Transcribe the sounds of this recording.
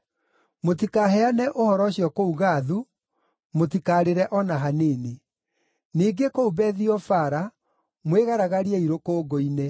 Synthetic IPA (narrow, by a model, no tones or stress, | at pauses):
motikaɦɛanɛʔohɔɾɔɕjɔkouɣaːðu | motikaːɾeɾɛʔɔnaɦaneːne | niːɡekoubɛðiɔfaɾa | mweɣaɾaɣaɾiɛiɾokoːɡoine